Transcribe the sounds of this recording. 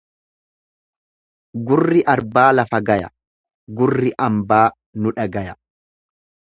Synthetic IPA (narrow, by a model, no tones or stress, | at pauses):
ɡʊrːɪʔɐɾbaːlɐfɐɡɐjɐ̰ | ɡʊrːɪʔɐmbaː | nʊᶑɐɡɐjɐ